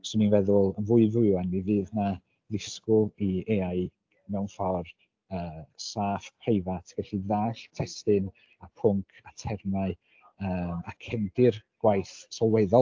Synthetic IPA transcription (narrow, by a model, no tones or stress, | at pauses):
sɔninvɛðʊlˠənvʊɨvʊɨanːivɨːðna | ðɪskʊieːaɨ | mɛwnfɔr | əːsaːfpʰrejvatʰɡ̥ɛɬiðaːɬtʰɛstɨn | apʰʊŋkʰatʰɛrnaɨ | əːmakʰɛndɪrɡ̥wajθsɔlˠwɛðɔ